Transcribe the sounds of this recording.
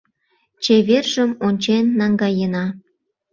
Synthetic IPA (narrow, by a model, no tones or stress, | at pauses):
t͡ɕeβerʒəmonʲt͡ɕenːɑŋɡɑjənɑ